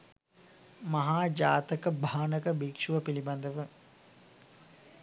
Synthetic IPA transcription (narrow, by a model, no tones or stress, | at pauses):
mɐɦaːd͡ʒaːt̪əkəbʱaːnəkəbikʂuʋəpiliband̪əʋə